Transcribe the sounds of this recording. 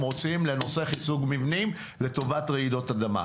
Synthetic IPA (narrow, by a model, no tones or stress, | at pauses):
mʁo̞t͡simle̞no̞se̞χit͡suɡmivnim | le̞to̞vatʁeido̞tadama̰